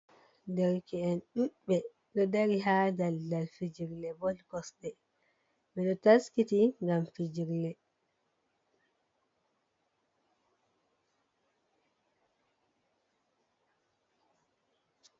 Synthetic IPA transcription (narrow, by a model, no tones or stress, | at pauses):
dɛɾkiɛnɗuɓɓɛ | ɗɔdaɾiɦadaldalfid͡ʒiɾlɛbɔlkɔsɗɛ | mɛɗɔtaskitiŋɡamfid͡ʒiɾlɛ